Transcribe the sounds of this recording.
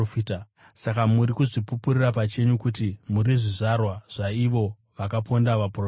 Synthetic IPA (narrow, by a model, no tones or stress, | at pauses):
f | sakamuɾikuʐipupurirapat͡ʃe̞ɲukutimuɾiʐiʐarwaʐ̥aiʋo̞ | ʋakapondaʋapro